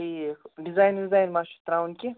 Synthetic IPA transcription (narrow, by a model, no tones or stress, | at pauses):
iɖizaːjnɖizaːjnmaʃu̥t̪ɾawunki